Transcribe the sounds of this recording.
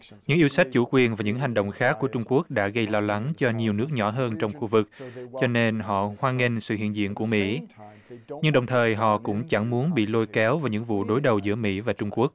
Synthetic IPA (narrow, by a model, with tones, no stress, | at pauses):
ɲɨ̰˧˥ŋʔi˧əwsa˦˥jk̚t͡ɕu˧˩˦kwi˨˩ənvaː˨˩ɲɨ̰˧˥ŋɦa˨˩ŋ̟ɗo̰˧˨wŋ͡mxaː˦˥kːu˧˩ət͡ɕʊ˧ŋ͡mku˦˥ək̚ɗa̰ː˧˥ɣə˧jlɔ˧wla˨˦ŋt͡ɕɔ˧ɲi˨˩əwnɨ˦˥ək̚ɲɔ˧˥ɦəː˧nt͡ɕɔ˧wŋ͡mxu˧vɨ˨˩k̚t͡ɕɔ˧ne˧nɦɔ̰˧˨hwaː˧ŋe˧nsɨ̰˧˨hḭ˧˨ənzḭ˧˨ənku˧˩əmḭ˧˥ | ɲɨ˧ŋɗə˨˩wŋ͡mt̪ʰəː˨˩jɦɔ̰˧˨kʊ̰˧˥ŋ͡mt͡ɕa˧˩ŋmu˨˦ənɓḭ˧˨lo˧jkɛ˨˦wvaː˨˩ɲɨ̰˧˥ŋvṵ˧˨ɗo˨˦jɗə˨˩wzɨ̰˧˥əmḭ˧˥vaː˨˩t͡ɕʊ˧ŋ͡mku˦˥ək̚